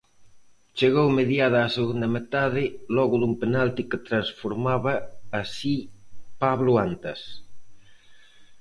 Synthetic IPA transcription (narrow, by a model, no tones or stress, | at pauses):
t͡ʃeɣowmeðjað̞ɐːseɣund̪ɐmet̪aðɪlɔɣʊðumpenalt̪iket̪ɾansfoɾmaβɐːsipaβlʊant̪ɐs